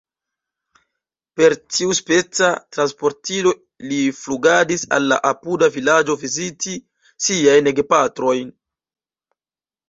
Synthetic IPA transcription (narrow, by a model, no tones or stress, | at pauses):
pe̞ɾtʰiuspe̞t͡satɾanspo̞ɾtilo̞ | lifluɡadisa̰lːa̰ʔapudavilad͡ʒo̞vizitʰi | siajneɡepatɾo̞jn